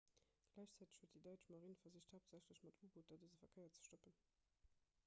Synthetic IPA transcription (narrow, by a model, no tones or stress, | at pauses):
ɡ̥læɪɕt͡sæːtə̥ɕhuət̚d̥idɑɪt͡ʃmɑʁinfɐzəɕthaʊp̚z̥æɕləɕmɑtuːbotɐdəzəfɐkʰəɪɐt͡sə̥ʃtɔpən